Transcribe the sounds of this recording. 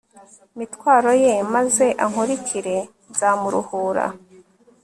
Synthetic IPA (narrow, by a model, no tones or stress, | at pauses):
mitwaːɾo̞je̞maze̞ʔaŋuɾicʰiɾe̞ | zaːmuɾṵhuːɾa̰